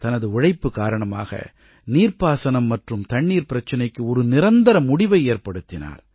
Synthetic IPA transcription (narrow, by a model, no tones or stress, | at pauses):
t̪ɐnɐðɯʊɻɐɪpːɯkaːɾɐɳɐma̰ːɣɐ̰ | niːɾpaːsɐnɐmːɐʈrɯmt̪ɐɳːiːɾpɪɾɐt͡ʃːɐnɐɪkːɯɔɾɯnɪɾɐnd̪ɐɾɐmːʊɽɪʋɐɪeːɾpɐɽɯt̪ːɪna̰ːɾ